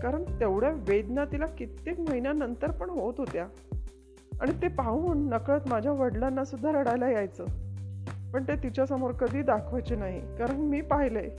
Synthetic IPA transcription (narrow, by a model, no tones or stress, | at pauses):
kaɾəɳt̪eʋɽjaʋed̪nat̪ilakit̪ːekməɦinjanənt̪əɾpəɳɦot̪ɦot̪ja | a̰ɽ̃it̪epauːnːəkɭət̪mad͡ʑʱjaʋəɽlanːasud̪ʱːaɾəɽajlajajt͡səː | pəɳt̪et̪it͡ɕjasəmoɾkəd̪ʱiːd̪akʰʋajt͡ɕenaɦikaɾəɳmiːpaɦile